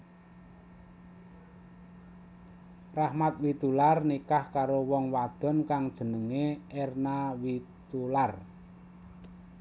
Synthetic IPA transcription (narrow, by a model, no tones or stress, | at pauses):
rahmat̪̚wit̪ularnikahkaɾowɔŋwad̪̥ɔ̤nkaŋd̥ʒ̥ə̤nəŋeernawit̪ular